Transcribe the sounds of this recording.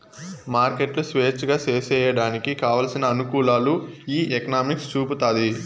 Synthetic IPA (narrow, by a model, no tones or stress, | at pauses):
maːɾkeʈlusʋeːt͡ʃɡaːt͡ʃeːsɛːjɐɽaːnikikaːʋɐːlsinɐːnukuːlaːluiːʔekɐnaːmikst͡ʃuːput̪aːd̪i